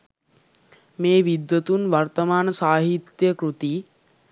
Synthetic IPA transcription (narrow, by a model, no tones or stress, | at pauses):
meːʋid̪jət̪unʋart̪əmaːnəsaːɦit̪jəkɾut̪i